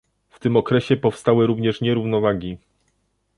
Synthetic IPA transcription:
ft̪ɘmɔkɾɛɕɛpɔfst̪awɘɾuvɲɛʂɲɛɾuvnɔvaɡʲi

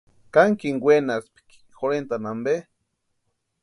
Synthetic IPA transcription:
kaŋkiŋɡwenaspi̥ki̥xoɾent̪anambe

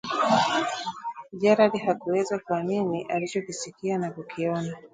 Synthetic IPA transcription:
ʄaɾalihakuwɛzakuaminiʔalit͡ʃɔkisikianakukʰiɔna

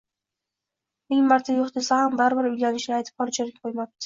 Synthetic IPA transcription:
mɪŋmaɾt̪ʰajoχt̪ʰɪsahambaɾbɪɾʊjɡʲanɪʃnɪajt̪ʰɪ̥p̚qʰɒlˠt͡ʃʰaɾʲḁqʰojmap̚t̪ɪ̥

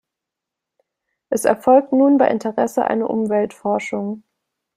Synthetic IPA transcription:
ʔɛsɛ̰ɐfɔlk̚tnuːnbaɪʔɪntʰəʁɛsəʔa̰ɪnəʔʊ̰mvɛltfɔɐʃʊŋ

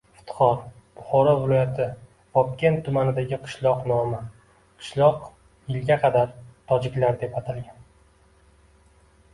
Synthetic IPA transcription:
ft̪χɒɾ | b̥ʊχɒɾɒvɪlˠɒjat̪ʰɪ | vɒp̚kʲe̞nt̪ʰːʊmanɪd̪aɡʲɪqʰɨ̥ʃlˠɒqnɒmɪ | qʰɨ̥ʃlˠɒq | jɪlɡʲaqʰɑd̪aɾt̪ʰɒd͡ʒɪkʲlaɾd̪e̞pat̪ʰalɡʲan

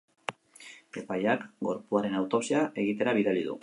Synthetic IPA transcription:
e̞pajakɡo̞̰ɾpuaɾe̞nawt̪o̞psiaʔe̞ɣit̪e̞ɾaβ̞iðaliðṵ

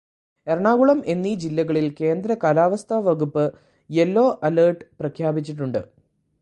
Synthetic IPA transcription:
erɐɳaːɣuɭɐme̞nːid͡ʑilːɐɣɐɭilke̞ːnd̪ɾɐkaːlaːʋɐst̪ʰaʋɐɣupːɨ | je̞lːo̞ːʔɐlɐːrʈɨprɐkʰjaːbit͡ɕːiʈːuɳɖɨ̰

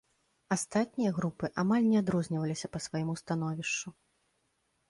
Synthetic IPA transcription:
ast̪at̪̚ʲnʲijɐɣɾupɨʔamalʲnʲɛad̪ɾɔzʲnʲɐvɐlʲisʲɐpɐsvajimust̪anɔvʲiʂt͡ʂu

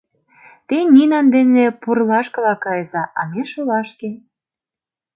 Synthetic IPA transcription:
t̪eninɑnd̪enepurlɑʃkɤ̆lɑkɑjzɑʔɑ̰meʃolɑʃke

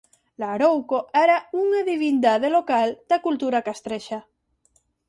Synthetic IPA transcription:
laɾowkoɛɾauŋaðiβind̪aðelokald̪̥akult̪uɾakast̪ɾeʃa

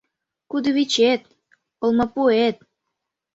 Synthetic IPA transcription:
kud̪əβit͡ɕet̪̚ | pŏlmɤ̆puet̪̚

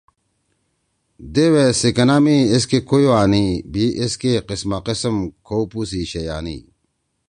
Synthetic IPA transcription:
d̪ewesikɐnamies̬kekojoaːnibiʔeskeqismaqisəmkʰowpus̬iɕejaːnḭː

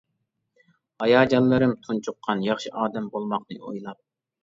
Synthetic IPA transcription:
ɑjɑːd͡ʒɑnlˠɨɾɨmt̪ʰunt͡ʃʰuqʰːɑnjɑχʃiʔɑːd̪ɛmbolˠmɑqnɨo̰jlˠɑp̚

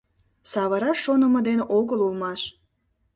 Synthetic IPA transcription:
sɑβəɾɑʃːonəməd̪enʔoɣəlulmɑʃ

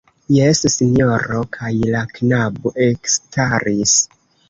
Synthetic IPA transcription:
jessinjo̞ɾo̞kʰajlaknaboʔe̞kstaɾis

